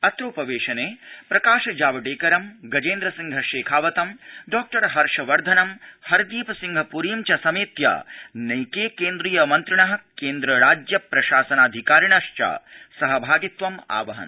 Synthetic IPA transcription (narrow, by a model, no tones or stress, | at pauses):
ɐt̪ɾoːpɐʋeːʃɐneːpɾɐkaːʃɐd͡ʒaːʋɐɖeːkɐɾɐmɡɐd͡ʒẽːnd̪ɾɐsiŋɡʱɐʃeːkʰaːʋɐt̪ɐmɖɔːk̚ʈɐɾɦɐɾʃɐʋɐɾd̪ʱɐnɐmhɐɾd̪iːpɐsiŋɡʱɐpuɾijmt͡ʃɐsɐmeːt̪ja̰ːnɐjkeːkeːnd̪ɾiːjɐmɐnt̪ɾɐɳɐɦɐ̆keːnd̪ɾɐɾaːd͡ʒjɐpɾɐʃaːsɐnaːd̪ʱikaːɾiɳɐʃt͡ʃa̰ːsɐɦɐbʱaːɡit̪ʋɐma̰ːʋɐɦɐ̰n